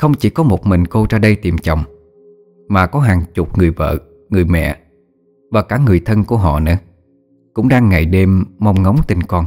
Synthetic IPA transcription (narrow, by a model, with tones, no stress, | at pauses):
xə˧wŋ͡mt͡ɕi˧˩kɔ˨˦mo˨˩t̚mï˨˩ŋ̟ko˧zaː˧ɗə˧jt̪i˨˩mt͡ɕɔ̰˧˨wŋ͡m | maː˨˩kɔ˨˦ɦaː˨˩ŋt͡ɕʊ˨˩p̚ŋɨ˨˩əjvə̰ː˧˨ | ŋɨ˨˩əjmɛ̰˧˨ | vaː˨˩kaː˧˩ŋɨ˨˩əjt̪ʰə˧nku˧˩əɦɔ̰˧˨nɨ̰˧˥ə | kʊ̰˧˥ŋ͡mɗaː˧ŋːa̰˧˩jɗe˧mːa˧wŋ͡mŋə˨˦wŋ͡mt̪ï˧ŋkɔ˧n